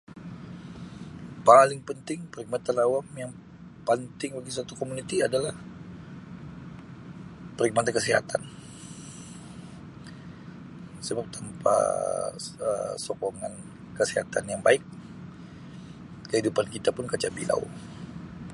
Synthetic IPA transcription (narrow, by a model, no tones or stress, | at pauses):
palɪŋpənt̪ɪŋpəɾiɡ̚mat̪anawamjaŋ | pant̪ɪŋbaɡis̬at̪ukomunit̪iadalah | pɾiɡ̚mat̪ankəsiɦa̰t̪an | səbap̚t̪ʰampa̰ | ə̰sɔkoŋa̰n | kəsiɦat̪anjaŋbaɪk̚ | kəɦidupankit̪apʊnkat͡ʃabḭlʔa̰w̰